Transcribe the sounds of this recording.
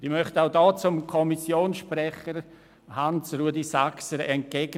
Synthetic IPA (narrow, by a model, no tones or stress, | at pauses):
d̥imœχtaʊdɔːt͡sʊmkʰɔmisjoːnsʃprɛχəɾ | hansruədisaksəɾɛnt̚keɡ